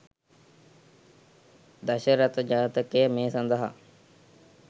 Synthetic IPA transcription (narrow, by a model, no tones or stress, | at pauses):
d̪ɐʃəɾɐt̪əd͡ʒaːt̪ɐkemeːsɐnd̪əɦa̰